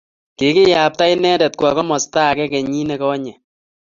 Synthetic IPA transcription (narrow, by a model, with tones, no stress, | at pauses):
kɪ˨kɪ˦ja˨p̚ta˦jnɛ˦dɛ˨t̚kwɔ˨kɔ˦mɔ˨sta˦˨kɛ˦kɛ˨ɲi˦nɛ˨kɔ˦ɲɛ˨